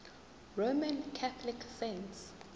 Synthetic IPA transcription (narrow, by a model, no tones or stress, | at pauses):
ɹomãnkʰaθʰɔliksɛ̃nts